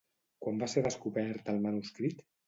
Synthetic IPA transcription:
kwambaseɾðəskuβɛɾt̪əlˠmənuskɾit̪

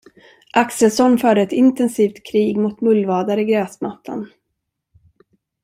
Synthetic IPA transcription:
ʔaksəlsɔnːfœːɖəɛt̪ɪnt̪ɛnsiːft̪kʰɾiːɡmʊt̪mɵlːvɑːd̪aɾɪɡɾɛːsmat̪ʰːa̰n

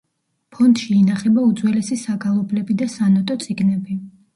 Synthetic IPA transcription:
pʰɔnd̪̥ʃiːnaχɛbaud̪zwɛlɛsisaɡalˠɔblɛbid̪asanɔt̪ʼɔt̪sʼiɡnɛbi

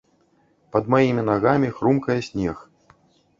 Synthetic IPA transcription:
pɐd̪majimʲin̪aɣamʲixɾumkɐjɛsʲnʲɛx

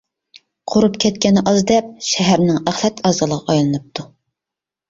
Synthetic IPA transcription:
qʰoɾupkʲʰɛt̪kʲɛnɨʔɑzd̪ɛp̚ʃɛɦæɾnɪŋæχlˠɛt̪ʰɑːzɨlˠəʁɑɑjlˠɨnɨp̚t̪ʰu

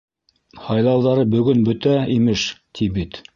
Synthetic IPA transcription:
hɑjlˠɑwðɑɾɤbɵ̆ɡɵnbɵt̪æimɘʃt̪ʰibit̪

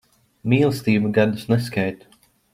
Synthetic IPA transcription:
miːlˠst̪iːumɡad̪usnɛs̬kajt̪u̥

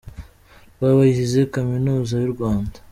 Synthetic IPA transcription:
βaβaihize̞kaminuːzajuɾɡwaːndḁ

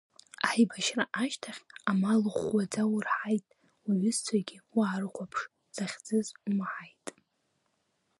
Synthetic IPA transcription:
aħibaʃraʔaʃtʰaχʲamalɨχwad͡zawʊrħajtʼ | wiɥʏzt͡sʷʰaɡʲɪwaːɾɨqʷapʰʂ | z̥aχʲd͡zɨzumħajtʼ

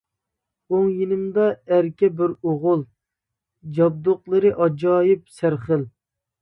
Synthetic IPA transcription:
oŋjinɪmd̪ɑæɾkʲɛbɪɾoʁʊlˠ | d͡ʒɑb̚d̪ʊqlˠɨɾɨʔɑd͡ʒɑːjɪp̚sæɾχəl

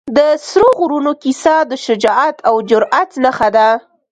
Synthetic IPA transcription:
d̪əsɾoɣɾunokisɑd̪əʃʊd͡ʒɑat̪ʰawd͡ʒʊɾʔat̪nəxad̪a

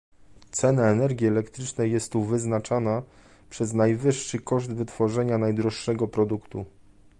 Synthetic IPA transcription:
t̪sɛnaɛnɛɾɡʲjiɛlɛkt̪ɾɘt͡ʂnɛjːɛst̪uvɘznat͡ʂana | pʂɛznajvɘʂːɘkɔʐd̪vɘt̪fɔʐɛɲanajd̪ɾɔʂːɛɡɔpɾɔd̪ukt̪u

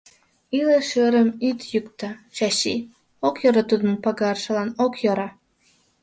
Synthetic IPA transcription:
ileʃəɾəmit̪jykt̪ɑt͡ɕɑɕi | okjoɾət̪ud̪ənpɑɡɑrʃə̆lɑnokjoɾɑ

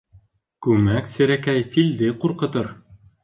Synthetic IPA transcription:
kʉmæksɘ̆ɾækæjfild̪ɘquɾqɤ̆t̪ɤɾ

